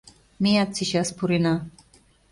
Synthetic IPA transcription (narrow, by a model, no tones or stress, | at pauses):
mijat͡siɕaspuɾina